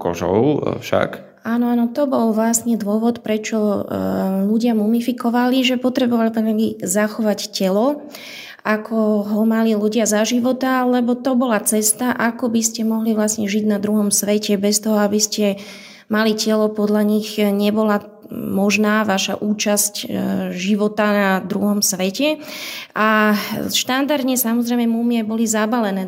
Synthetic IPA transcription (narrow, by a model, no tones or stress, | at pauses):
kɔ̰ʒɔ̰ʊfʃa̰k | aːnɔaːnɔt̪ɔbɔlʋlasɲɛd̪ʊɔʋɔt̪pɾɛt͡ʃɔ | luɟɪamumifikɔʋaliʒɛpɔt̪ɾɛbɔʋalit̪ɛɛɡizaxɔʋaccɛlɔ | akʰɔɦɔmaliluɟɪazaʒiʋɔt̪alɛbɔt̪ɔbɔlat͡sɛst̪aʔakɔbiscɛmɔɦliʋlasɲɛʒiɟnad̪ɾuɦɔmsʋɛcɛbɛst̪ɔɦɔabiscɛ | malicɛlɔpɔd̪ʎaɲiɣɲɛbɔla | mɔʒnaːʋaʃa̰ʔuːt͡ʃascʒiʋɔt̪anad̪ɾṵɦɔmsʋɛcɛʔaʃt̪and̪aɾd̪ɲɛsamɔzɾɛjmɛmumiabɔlizabalɛnɛː